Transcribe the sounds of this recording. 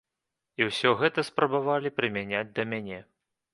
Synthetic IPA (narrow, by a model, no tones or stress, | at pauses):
iwsʲɔɣɛt̪ɐspɾɐbavalʲipɾɨmʲænʲad͡zʲd̪ɐmʲanʲɛ